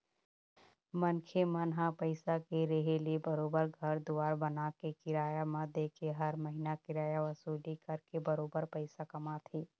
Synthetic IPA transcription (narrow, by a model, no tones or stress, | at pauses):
mənkʰemənɦãpəɪsakeɾeɦelibəɾoːbəɾɡʱɐɾd̪uʋaːɾbənakekɪɾaːjamãd̪ekʰeɦɐɾməɦinakɪɾaːjaʋɐsuːlikɐɾkebɐɾoːbəɾpəɪsakɐmat̪ʰiː